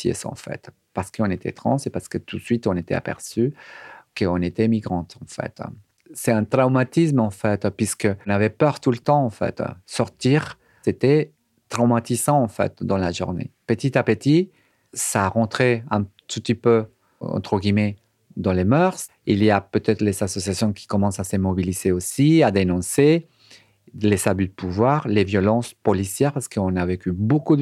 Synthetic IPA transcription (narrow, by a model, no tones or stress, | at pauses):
jḛsɑ̰̃fɛ̰t̪ | paʁsə̥kəɔ̃net̪ʰɛ̰t̪χɑ̰̃sepaʁsə̥kət̪ut̪sɥit̪ɔ̃net̪ɛ̰a̰pɛ̰ʁsykəɔ̃net̪ɛmiɡʁɑ̃t̪ʰɑ̃fɛ̰t̪ | sɛɛ̃t̪ʁamat̪ismɑ̃fɛt̪pɥiskə̃navɛpœʁt̪ulət̪ɑ̃ɑ̃fɛ̰t̪sɔʁt̪iʁ | set̪ɛ | t̪χamat̪izɑ̃ɑ̃fɛ̰t̪d̪ɑ̃laʒṵʁnḛpət̪it̪apət̪i | saʁɑ̃t̪χeɛ̃t̪ut̪ipø | ɑ̰̃t̪χəɡimɛ | d̪ɑ̃lemœʁs | iliapøt̪ɛt̪χəlezasɔsjasjɔ̃kʲi̥kɔmɑ̃sasəmɔbilizeosiad̪enɔ̃se | lezabyd̪əpʰuvwaʁlevjɔlɑ̃spɔlisjɛʁpaʁsə̥kəɔ̃navekyboku